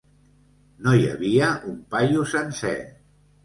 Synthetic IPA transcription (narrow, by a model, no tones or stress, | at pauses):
noja̰βiəʔumpajusənsɛ